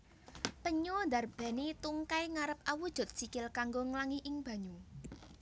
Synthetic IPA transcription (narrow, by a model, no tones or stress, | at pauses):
pəɲond̪arb̥ɛ̤nit̪uŋkajŋaɾəp̚ʔawud̥ʒ̥ʊ̤t̪̚sikɪlkaŋɡoŋəlaŋiʔɪŋb̥ä̤ɲu